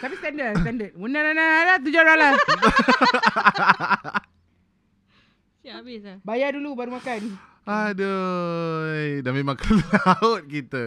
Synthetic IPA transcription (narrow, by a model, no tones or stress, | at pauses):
t̪apist̪andəst̪andət̚munananaalat̪̬ud͡ʒaɾala | bisbajadulubaɾumakan | adə | edanmemãŋkəlaʊt̪̚kit̪ə